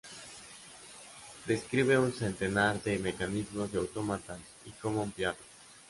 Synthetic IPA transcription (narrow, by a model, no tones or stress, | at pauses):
d̪e̞skɾiβ̞e̞unse̞nt̪e̞naɾðemekanizmo̞zðeawt̪o̞mat̪an | ikomoumpjaðo